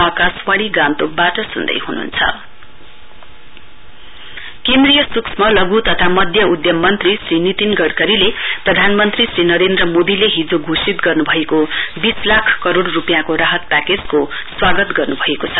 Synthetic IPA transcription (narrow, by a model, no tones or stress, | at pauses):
ʌkaswʌɽ̃iɡãnt̪ok̚baʈʌsund̪ʌ̰jhunṵnt͡sʰʌ̰ | kend̪rijʌsuksʰmʌlʌɡut̪ʌt̪ʰamʌd̪ʱjʌud̪ʱjʌmːʌnt̪risrinit̪inɡʌɽkʌɾileprʌd̪ʱanmʌnt̪risrinʌɾend̪rʌmod̪ileɦid͡zoɡʱusit̪ɡʌrnubʱʌekobislakʰkʌɾoɽrupjãkoɾaɦʌt̪̚paked͡zko | swaɡʌt̪ɡʌrnubʱʌekot͡sʰʌ